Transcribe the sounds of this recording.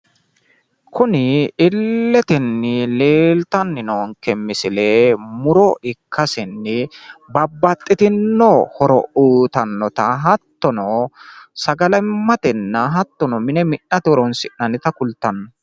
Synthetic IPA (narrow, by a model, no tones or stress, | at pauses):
kʊnɪɪlːɛt̪ɪnːɪleːlt̪ɐnːɪnoŋkɛmːɪsɪlemʊɾɔɪkʰːɐsɪnːɪbɐbːɐt̪ʼːɪt̪ɪnːɔhɔɾɔ̰ʔuːt̪ɐnːɔt̪ɐɦɐt̪ːɔnɔsɐɡɐlɛmːɐt̪ɪnːɐɦɐt̪ːɔnɔmɪnɛmɪʔːɐt̪ɪɔɾɔnsɪnnɐnɪt̪ɐkʊlt̪ːɐnːɔ